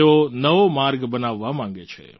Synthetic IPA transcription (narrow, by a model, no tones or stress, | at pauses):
onɐʋomaːɾɡbɐnaːʋːamãːŋ̆ɡet͡ʃʰḛː